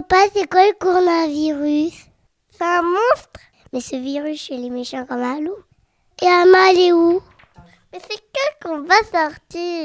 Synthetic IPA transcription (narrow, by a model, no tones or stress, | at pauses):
pasekwaləkɔʁɔnaviʁys | sɛɛ̃mɔ̃st̪χ | mɛsəviʁysʃelemeʃɑ̃kɔ̃malo | eɛ̃maleu | mɛsɛkəkɔ̃vasɔʁt̪i